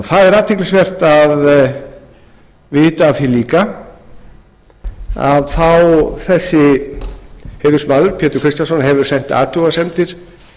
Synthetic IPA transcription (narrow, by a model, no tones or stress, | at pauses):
θaðɛɾaːt̪ʰɪklsvɛr̥t̪að | vɪːt̪aːθiliːka | a̰ðθawθɛsːɪ | heːðʏ̥smaːðʏɾ̥pʰjɛːt̪ʏɾkʰɾɪst̪ansɔnɦɛvʏɾ̥sɛn̥t̪a̰ːt̪ʰuɣasɛmt̪ɪɾ̥